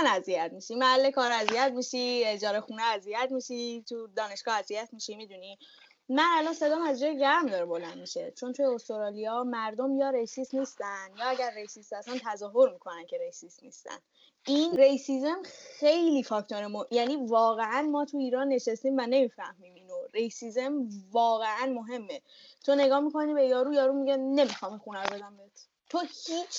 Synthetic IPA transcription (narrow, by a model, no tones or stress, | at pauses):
næzijæt̪miʃimæhælːekʰɒːɾæziæt̪miːʃie̞d͡ʒɒːɾexuːneæzijæt̪miʃit̪ʰud̪ɒːne̞ʃɡ̥ɒːæzijæt̪ʰmiːʃimid̪uni | mænælɒːnse̞d̪ɒːmæzd͡ʒɒːjeɟæɾmd̪ɒːɾebo̞lænd̪miʃe̞t͡ʃʰo̞nt̪ʰujeost̪oɾɑːlijɒmæɾd̪omjɒːɾe̞jsiːsniːst̪ænd̪jɒːæɟæɾːe̞jsisæsɑnt̪ʰæzɒːɦo̞ɾmiːkʰo̞næncʰe̞ɾejsisniːst̪æ̰n | ʔinrejsizemxe̞jlifɒcʰt̪oɾemojæniːvɒːɣeʔænmɒːt̪ʰuiːɾɒːnːe̞ʃest̪iːmvæne̞mifæhmimiːnoɾejsizemvɒːɣe̞ʔænmoɦe̞mːe | t̪ʰo̞ne̞ɡɒːmikʰo̞nibe̞jɒːɾuːjɒːɾuːmiɟene̞mixɒːmexunæɾbed̪æmbet̪ʰ | t̪ʰohiːt͡ʃʰ